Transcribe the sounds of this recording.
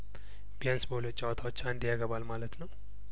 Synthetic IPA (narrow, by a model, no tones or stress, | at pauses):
bijansboljot͡ʃʼːawət̪ʰawot͡ʃːand̪ijaɡəβalmalət̪nəw